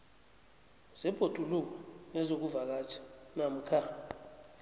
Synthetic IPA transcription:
z̥ɛb̥ʱod̥ʱuluk̬anɛzok̬uvak̬at͡ʃʰḁnam̩kʰa

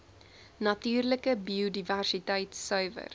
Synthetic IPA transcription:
nɐtyːrləkəbiodiværsitɛjtsœɥvə̰r

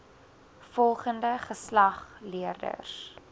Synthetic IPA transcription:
fɔlˠχəndəχəslɐχliərdə̰s

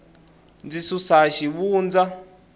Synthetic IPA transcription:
nd͡zisusaʃiβuːnd͡za

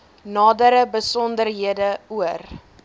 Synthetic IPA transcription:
nɑːdəɾəbəsɔndərɦiədəuər

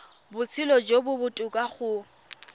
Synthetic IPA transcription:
bʊt͡sʰɪlɔd͡ʒobʊbʊtʼʊkʼaχʊ

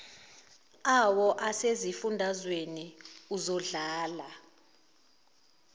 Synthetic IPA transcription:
awɔʔasezifundʱazweniuzɔɮaːla

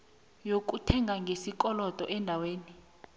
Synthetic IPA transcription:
jok̬ʼutʰɛŋɡʱaŋɡʱesikʼɔlɔtʼɔʔɛndʱaweːni

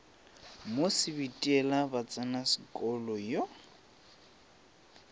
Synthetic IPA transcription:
mosɪbitʼiɛlabat͡sʼanasɪkʼɔlɔjɔ

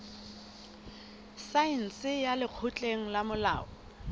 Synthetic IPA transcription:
sain̩sɪjalɪk͡xʰʊt͡ɬʼeŋ̩lamʊla̰ːɔ

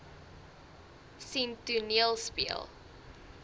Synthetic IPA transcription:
sintuniəlˠspiə̰lˠ

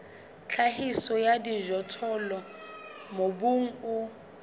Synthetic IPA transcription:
t͡ɬʰahisɔjadiʒɔtʰɔlɔ | mobuŋ̩ʊ

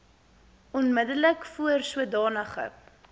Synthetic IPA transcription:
ɔnmədələkfuərsuədɑːnəχə̰

